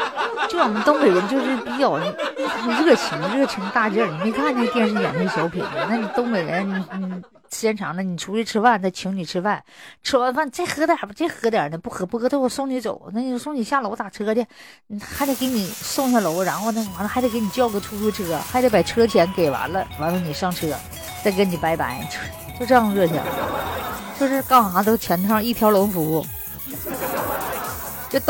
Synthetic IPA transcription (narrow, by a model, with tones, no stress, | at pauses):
ʈ͡ʂɤ˥˩˧wɔ˨˩mə˧˦nt̪ʊ˥ŋpe˨˩ɪɻə˧˥nt͡ɕjo˥˧ʊʂɻ̩˥˩pi˥t͡ɕɑ˨˩ʊn˧˥˧ɻɤ˥˩t͡ɕʰi˧˥ŋ˧ɻɤ˥˩t͡ɕʰi˧˥ŋ˧t̪a˥˧ʈ͡ʂə˥˧˩ni˨˩me˧˥ɪkʰa˥˧n˥˧jɛ˥˧nʂ̬ɻ̩˥˩njɑ̰˨˩ŋt͡ɕʰɛ˥˩ɕjɑ˧˥ʊpʰḭ˨˩nd̪ə˧na˥˩ni˨˩t̪ʊ˥ŋme˨˩ɪɻə̰˧˥ni˧˩ni˧˩ | ɕjɛ˥˩nʈ͡ʂʰɑ̰˨˧˥ŋd̪ə˧ni˨˩ʈ͡ʂʰu˧˥i˥˧ʈ͡ʂʰɻ̩˥fa˥˧nt͡sa˥˩ɪt͡ɕʰi˧˥ŋni˨˩ʈ͡ʂʰɻ̩˥fa˥˩nʈ͡ʂʰɻ̩˥wa˥˧nfa˥˩nt͡sa˥˩ɪxɤ˧˥t̪ja˨˩ba˧t͡sa˥˩ɪxɤ˧˥t̪̬jɛ̰˨˩nə˧pu˥˩xɤ˧˥pu˥˩kʰɤ˧˥˧sʊ˥˩ŋni˧˥t͡so̰˨˩˦ʊna˥˩ni˨˩o˥˧˩sʊ˥˩ŋni˨˩ɕja˥˩lo˧˥ʊt̪a˨˩ʈ͡ʂʰɤ˥ɤ˧˥t̪ʰjɛ˥˧n˨xa˧˥ɪt͡sa˧˩ɪke˧˥ɪni˨˩sʊ˥˧ŋɕa˥˩lo˧˥ʊɻa˧˥nxo˥˧ʊna˥˩˨wa˧˥nə˧xt͡sɪke˧˥ɪni˨˩t͡ɕjɑ˥˧ʊkʈ͡ʂʰu˥˧ʈ͡ʂʰu˥˧ʈ͡ʂɤ˥˩ɡə˩xa˧˥ɪt͡sa˧˥ɪpa˨˩ʈ͡ʂʰɯ˥ə˧t͡ɕʰjɛ˧˥nke˨˩ɪwa̰˧˥nlə̰˧wa˧˥nfa˧˥˩ni˨˩ʂɑ˥˧ŋʈ͡ʂ̩ʰ˧˥ə̰˧ | t͡sa˥˩ɪkni˨˩pa˧˥ɪpa̰˧˥ɪt͡ɕ | t͡ɕjo˥˧ʈ͡ʂɤ˥˧jɑ˥˧ŋə˧ɻɤ˥˧t͡ɕʰjɑ̰˨˩ | t͡ɕjo˥˧ʊʂɻ̩˥˧kɑ˥xɑ˨˩a˧˥t̪o˥˩t͡ɕʰjɛ˧˥nt̪ʰɑ˥˧i˥˩t̪ʰjɑ˧˥lʊ˧˥ŋfu˧˥u˥˩ | t͡ɕjo˥˧ʊt̪